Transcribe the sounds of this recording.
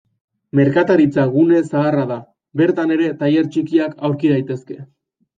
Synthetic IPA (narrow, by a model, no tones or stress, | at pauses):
me̞ɾkat̪aɾit͡saɣune̞saːraða | be̞ɾt̪ane̞ɾe̞t̪aje̞ɾt͡ʃikiakawɾkiðajt̪e̞ske̞